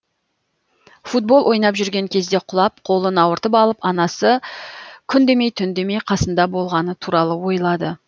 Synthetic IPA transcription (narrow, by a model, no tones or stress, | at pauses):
fut̪̚bo̞lˠwʔo̞jnɑpʒʏɾɡʲe̞ŋkʲʰe̞z̪d̪e̞qʰʊlˠɑp̚qʰo̞lˠənɑwəɾt̪əpɑlˠəpɑnɑsə | kʲʰʏnd̪e̞me̞jt̪ʰʏnd̪e̞me̞jqʰɑsənd̪ɑbo̞lˠʁɑnət̪ʰuɾɑlˠəwo̞jlˠɑd̪ə